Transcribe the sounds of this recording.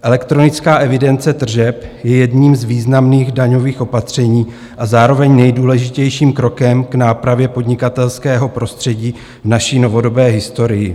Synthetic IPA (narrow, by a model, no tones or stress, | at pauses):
ʔɛlɛkt̪ɾo̞nɪt͡skaːʔɛvɪdɛnt͡sɛt̪r̩ʒɛpjɛjɛdɲiːmzviːznamniːɣdaɲo̞viːxʔo̞pat̪r̝̥ɛɲiː | ʔazaːɾo̞vɛɲnɛjduːlɛʒɪcɛjʃiːmkɾo̞kɛmɡnaːpɾavjɛpo̞dɲɪkat̪ɛlskɛːɦo̞pɾo̞st̪r̥ɛɟiː | vnaʃiːno̞vo̞do̞bɛːɦɪst̪o̞ɾɪjɪ